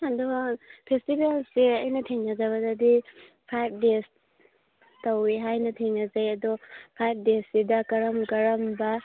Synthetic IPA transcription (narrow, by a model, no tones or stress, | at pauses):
adɔpʰestibelseɐjnɐtʰiŋnazabadadi | pʰajb̚des | tawiɦajnɐt̪ʰiŋazajɐd̪ɔpʰajb̚ʰdesidakɐɾɐmɡɐɾɐmba